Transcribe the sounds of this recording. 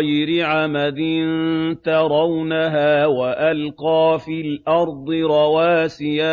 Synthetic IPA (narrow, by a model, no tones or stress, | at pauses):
jɾɪʕamalɪnt̪ɑɾˤɑwnaɦaːwaʔalqɑːfiːlʔɑɾˤd̪ˤɨɾˤɑwaːsɪjaː